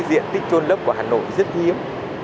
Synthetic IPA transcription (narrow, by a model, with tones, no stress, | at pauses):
zḭ˧˨ənt̪ï̟˦˥t͡ɕo˧nlə˦˥p̚ku˧˩ɦaː˨˩no̰˧˨jzə˦˥t̚hi˨˦əm